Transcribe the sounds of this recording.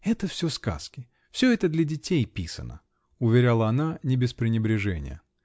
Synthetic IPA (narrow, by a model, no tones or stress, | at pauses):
ɛt̪əfsʲoska̰skʲɪ | fsʲɵɛt̪əd̪lʲɐdʲɪtʲejpʲisə̰nə̰ | ʊvʲɪɾʲalˠəɐnanʲɪbʲɪspɾʲɪnʲɪbɾʲɪʐɛnʲɪ̰jə̰